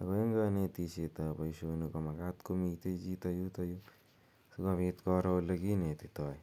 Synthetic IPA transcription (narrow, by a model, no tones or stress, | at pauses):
aɡoeŋɡanet̪iset̪abajusuenukamaɡat̪komit̪ed͡ʒit̪ajut̪aju | tuɡaβit̪koɾolaɡinet̪et̪oj